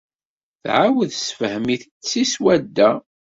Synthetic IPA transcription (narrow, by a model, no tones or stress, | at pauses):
θʕawəðsfəhmiθət͡sːiswæd̪ːæ